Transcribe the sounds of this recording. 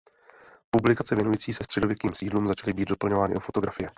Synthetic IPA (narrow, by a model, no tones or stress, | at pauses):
publɪkat͡sɛvjɛnujiːt͡siːsɛst̪r̥ɛdo̞vjɛkiːmsiːdluːmzat͡ʃalɪbiːd̪dopl̩ɲovaːnɪ̰ʔofo̞t̪o̞ɡɾafɪjɛ